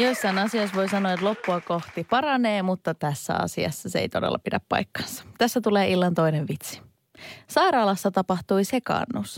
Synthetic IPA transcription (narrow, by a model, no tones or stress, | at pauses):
jo̞isːɑinɑsio̞jsʋo̞jsɑnoɑet̪lo̞pːuɑko̞ht̪ipɑɾɑne̞ːmut̪ːɑt̪æsːæ̰ɑ̰siɑ̰sːɑseḛjt̪o̞dḛlːɑ̰pidæpːɑ̰jkːɑ̥nsɑ̥t̪æsːæt̪ule̞ːʔilːɑnt̪o̞jneʋʋit̪si̥ | sɑjɾɑːlɑsːɑt̪ɑpɑht̪ujse̞kɑ̰ːnːus